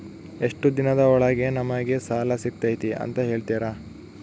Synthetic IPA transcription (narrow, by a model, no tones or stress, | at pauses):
eʂʈud̪inɐd̪ɐɔɭɐɡenɐmɐɡe̞saːlɐsik̚t̪ɐjt̪iɐ̰nt̪ɐɦe̞ːɭt̪iːɾa